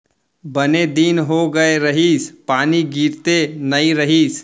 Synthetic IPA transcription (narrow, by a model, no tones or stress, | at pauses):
bəned̪inɦoɡəeɾəɦiːspaːniɡiːɾt̪enɐiɾəɦiːs